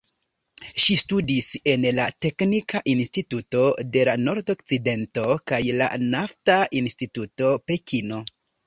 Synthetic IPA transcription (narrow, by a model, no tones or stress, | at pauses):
ʃistudise̞nlate̞knikaʔinstituto̞de̞lano̞ɾdo̞kt͡side̞nto̞kajla̰naftainstituto̞pe̞kino̞